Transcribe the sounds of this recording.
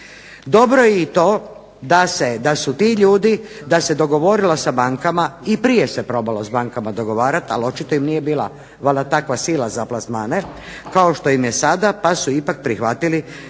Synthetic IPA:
d̪o̞bɾo̞jeit̪o̞ː | d̪ased̪asut̪iʎuːd̪id̪ase̞d̪o̞ɡo̞ʋo̞ɾilosabaŋkamaipɾije̞se̞pɾo̞balo̞sbaŋkamad̪o̞ɡo̞ʋaːɾat̪a̰lo̞t͡ʃit̪oimnije̞biːlˠa̰ | ʋaldat̪akʋasilˠazaplasmaːne | kaoʃt̪o̞jimjesad̪apasuipak̚pɾixʋat̪ili

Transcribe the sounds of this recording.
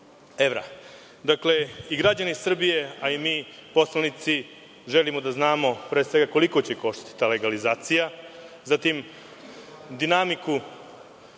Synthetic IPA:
eʋɾa̰ | d̪akle̞iɡɾad͡ʑanisr̩bije̞aimiːpo̞slanit̪si | ʒelimo̞d̪aznaːmo̞pɾeːsʋe̞ɡako̞liko̞t͡ɕeko̞ʃt̪ḁt̪i̥t̪aːle̞ɡalizaːt̪sijazat̪im | d̪inamiku

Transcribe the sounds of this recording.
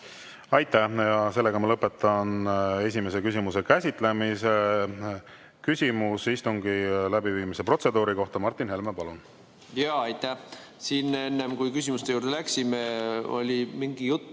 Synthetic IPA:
ɑjt̪ːˑæhjɑse̞lːe̞ɡ̥ɑmɑlɤpːˑe̞t̪ːˑɑne̞s̬ʲime̞s̬e̞kys̬ʲimuse̞kæsʲit̪ˑle̞mise | kysʲimusist̪uŋɡ̥ilæbiviːmise̞pro̞t̪se̞d̪uːɾiko̞ht̪ɑmɑrt̪ːˑinhe̞lmepɑlun | jɑːɑjt̪ːæsiːnenːemkujkysʲimust̪euːrd̪elæksimeo̞̰lʲimiŋɡ̥ijut̪ːˑ

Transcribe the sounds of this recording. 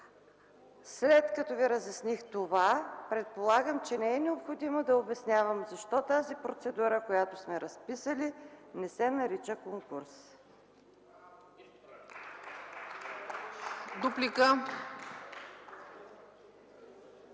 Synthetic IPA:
slɛt̪kɐt̪ɔviɾəzjɐsnixt̪ovapɾɛt̪̚polˠaɡəmt͡ʃɛnɛɛnɛopxod̪imod̪ɐobɛsnʲjavəmzɐʃt̪ɔt̪azipɾot̪sɛd̪uɾəkojat̪osmɛɾɐspisəlinɛsɛnɐɾit͡ʃəkoŋkuɾs | d̪uplikə

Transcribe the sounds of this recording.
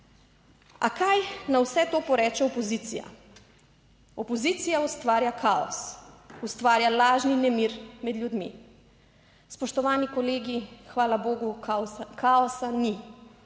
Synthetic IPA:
a̰kajnawsɛt̪oːpɔɾɛːt͡ʃɛɔpɔziːt̪sḭja̰ | ɔpɔziːt̪sijaust̪ʋaːɾjakʰaɔ̰sust̪ʋaːɾjalaːʒninɛmiːɾmɛd̪ljud̪mḭ | spɔʃt̪ɔʋaːnikɔleːɡixʋaːlaboːɡukʰaɔsani

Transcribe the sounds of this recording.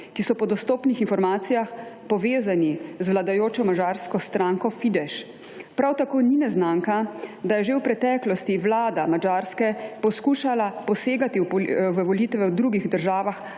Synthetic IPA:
kisɔpɔd̪ɔst̪oːpnixinfɔɾmaːt̪sijaxpɔʋeːzanizʋlad̪ajoːt͡ʃɔmad͡ʒaːɾskɔst̪ɾaːŋkɔfid̪ɛʃ | pɾawt̪akoːninɛznaːŋkad̪ajɛʒewpɾɛt̪ɛːklɔst̪iʋlaːd̪amad͡ʒaːɾskɛpɔskuːʃalapɔseːɡat̪iwʋəʋɔlit̪ʋɛwd̪ɾuɡiɣd̪əɾʒaːʋax

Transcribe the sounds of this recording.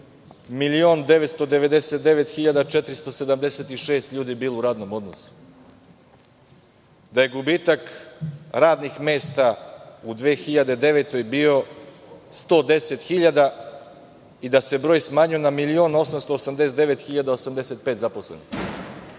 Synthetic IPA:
milio̞ːnd̪e̞ʋet̪st̪o̞d̪e̞ʋe̞d̪eset̪̚d̪eʋet̪xiʎad̪at͡ʃet̪ɾist̪o̞sed̪amd̪eset̪iʃe̞ːst̪ʎuːd̪ibiːlouɾaːd̪no̞mo̞d̪nosu̥ | d̪aje̞ɡubiːt̪ak | ɾaːd̪nixmeːst̪aud̪ʋe̞ːxiʎad̪e̞d̪e̞ʋet̪o̞jbiːo̞ | st̪o̞ːd̪e̞set̪xiʎad̪a | id̪ase̞bɾoːjsmaːɲujenamilio̞no̞samst̪o̞ːsamd̪eset̪d̪eʋe̞t̪xiʎad̪aosamd̪eset̪̚peːt̪zapo̞slenix

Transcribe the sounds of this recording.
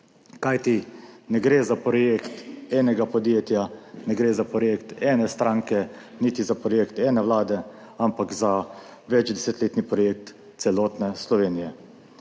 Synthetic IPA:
kajt̪inɛɡɾeːzapɾɔjekt̪ɛːnɛɡapɔd̪jeːt̪janɛɡɾeːzapɾɔjeːkt̪ɛːnɛst̪ɾaːŋkɛ | nit̪izapɾɔjeːkt̪ɛːnɛʋlaːd̪ɛ | ampakza | ʋɛd͡ʒd̪ɛset̪leːt̪nipɾɔjeːk̚t̪ | t̪sɛlɔːt̪nɛslɔʋeːnijɛ

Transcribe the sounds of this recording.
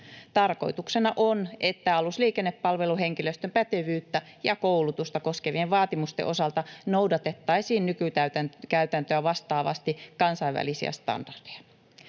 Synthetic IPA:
t̪ɑrko̞̰it̪uksenɑʔonʔet̪ːæɑlusliːkenːeppɑlʋe̞luɦeŋkiløst̪ømpæt̪eʋyːt̪ːæjɑkoulut̪ust̪ɑko̞skeʋieʋʋɑːt̪imust̪ḛʔo̞sɑlt̪ɑnowdɑt̪et̪ːɑisiːnnykyt̪æyt̪ænkæyt̪ænt̪øæʋɑst̪ɑːʋɑ̰st̪ikɑnsɑiʋʋæ̰lisiæ̰st̪ɑ̰nd̥ɑrd̥e̥jɑ̥

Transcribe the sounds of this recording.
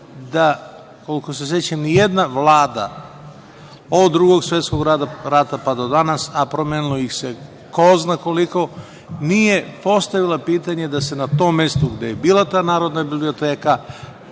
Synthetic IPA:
d̪a | ko̞liko̞s̬e̞se̞t͡ɕenijed̪naʋlaːd̪a̰ | od̪ːɾuɡo̞ɡsʋjet̪sko̞ɡɾad̪aɾat̪apad̪od̪anasapɾomjeːnilˠo̞jixse | koznako̞liko̞ | nije̞po̞st̪aʋilˠapiːt̪aɲe̞d̪ase̞nat̪oːmːe̞st̪oɡd̪ejebiːlˠat̪aːnaːɾo̞d̪nabiblio̞t̪eːka

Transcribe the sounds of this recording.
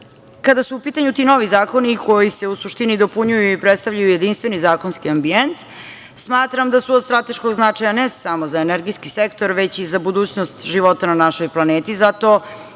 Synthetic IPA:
kad̪asuupiːt̪aɲut̪ino̞ʋizaːko̞nikʰo̞jise̞usuʃt̪inid̪o̞puɲujuipɾet̪st̪aʋvʎajuje̞d̪inst̪ʋe̞nizaːko̞nskiambient̪ | smaːt̪ɾamd̪asuod̪st̪ɾat̪e̞ʃkoɡznat͡ʂajanesamozaeneɾɡiskisekt̪oɾʋet͡ɕizabud̪uːt͡ɕnost̪ʒiʋo̞t̪ananaʃo̞jplˠaneːt̪izat̪o̞

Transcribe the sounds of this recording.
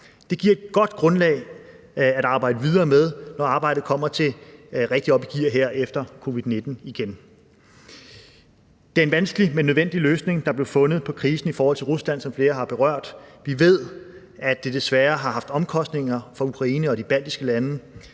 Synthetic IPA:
d̥e̝ɡ̥iɐ̰e̝d̥ɡ̥ɒ̽d̥ɡ̥ʁɔ̽nlɛ̰ːɪ | æɾɑ̈ːbɑ̈ɪ̰d̥əʋið̞ˠɐːmeð̞ˠnɒɑ̈ːb̥ɑ̈ɪ̰dð̩ˠkʰɒ̽m̰ɐt͡sʰe̝ʁeɡ̥̚d̥iɒ̽b̥iɡ̥iɐ̰ɦeɐ̰efd̥ɐkʰo̝ːʋiðˠne̝d̥n̩iɡ̥en | d̥e̝æɐe̝nʋænsɡ̥əlimenːøðˠen̰d̥iløːsne̝ŋd̥ɑ̈b̥le̝ʊfɔ̽nð̩ˠpʰɒ̽kʰʁiːsn̩ifɒːhɒ̽l̰t͡sʰe̝ʁuslæn̰sɒ̽mfle̝ːɐɦɑ̈b̥e̝ʁɶɐ̰d̥ʋiʋe̝ð̞̰ˠ | æ̥e̝d̥e̝sʋæːɐɦɑ̈ɦɑ̈fd̥ɒ̽mkʰɒ̽sd̥ne̝ŋɐfɒ̽ukʰʁɑ̈iːnəɒ̽d̥ib̥æl̰d̥isɡ̥əlænə

